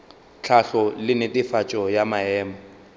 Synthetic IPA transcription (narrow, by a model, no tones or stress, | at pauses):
t͡ɬʰaɬɔlɪnɪtʼɪfat͡ʃʼɔjamaɛːma